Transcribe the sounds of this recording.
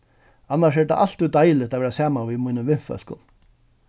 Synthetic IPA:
anːaʂɛd̪a̰ʔal̥t̪ːʉd̪ajlɪt̪aːʋɛːɾasaːmaʋimuːnəmʋɪn̥fœ̰l̥kʊ̰n

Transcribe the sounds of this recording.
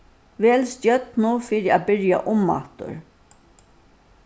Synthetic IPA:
ʋɛːlstjœt̪nʊfiːɾɪabɪɹja̰ʔʊmːa̰ht̪ʊ̰ɾ

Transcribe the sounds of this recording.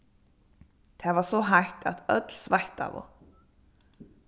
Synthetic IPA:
t̪ʰɛːvasɔɦajht̪ʰa̰t̪œ̰t̪lsvajht̪a̰ːʋɔ̰

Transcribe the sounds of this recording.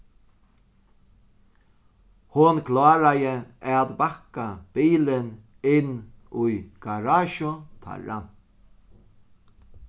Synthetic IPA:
hʊnkʰlaːɾajɪɛt̪bakab̥iːlɪn | ɪnːʊjɡ̥aɾaːʃʊt̪ʰa̰ɻa̰n

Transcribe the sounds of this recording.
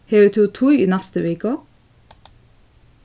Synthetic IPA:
heːʋʉːt̪ʰuːt̪ʰʊʏḭːnæst̪əʋeːkə

